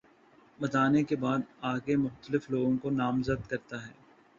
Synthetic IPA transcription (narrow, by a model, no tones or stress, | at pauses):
bɐt̪aːnekebaːd̪aːɡemʊxt̪əlɪfloːɡõkonaːmzəd̪kɐɾt̪aɦɛː